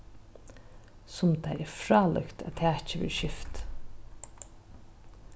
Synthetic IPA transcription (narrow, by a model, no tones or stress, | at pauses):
sʊmt̪ʰaɛɹfɹɑːlœ̰kt̪ʰæ̰t̪ʰæːt͡ʃəʋɪ̰ːɹʃɪft̪